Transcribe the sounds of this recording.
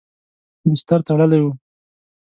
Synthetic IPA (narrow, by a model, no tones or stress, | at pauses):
bɪst̪aɾt̪aɽəlajwu